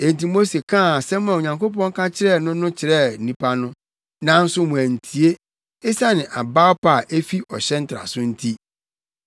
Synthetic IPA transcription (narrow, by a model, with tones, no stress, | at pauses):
e˨n̩˨ti˨mo˦se˨kʰã˦˨sɛ˦m˦ɛ̃˨ɲã˨ŋko˦p̬ɔ̃˦ŋ˦kʰã˦t͡ɕʰɪ˦ɾɛ˦˨nʊ̃˦nʊ̃˦t͡ɕʰɪ˨ɾɛ˦˨nĩ˦pʰa˦nʊ̃˦ | nã˨˦n̩˦sʊ˦mũ˨æ˨n̩˨tʰi˨e˦ | e˦sa˦nɪ̃˨ʔa˨ba˦ɔ˦pʰa˨ʔe˦fi˦ʔɔ˨ɕɛ̃˦n̩˦tʰɾa̰˨sʊ̃˦n̩˦tʰi˦